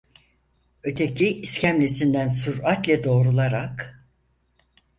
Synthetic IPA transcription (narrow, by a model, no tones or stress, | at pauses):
ø̞t̪ʰecʰiiscʰæmlʲesind̪ænsuɾat̪lʲɛd̪o̞ːɾulˠaɾak